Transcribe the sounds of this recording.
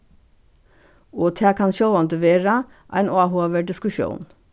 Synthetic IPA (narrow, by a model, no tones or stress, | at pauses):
oːt̪ʰæːkʰɑnʃɔlɑnt̪əʋeːɾɑ | ʔæ̰ɪnʔɑːhoːʋəɖɪskʉʃṵːn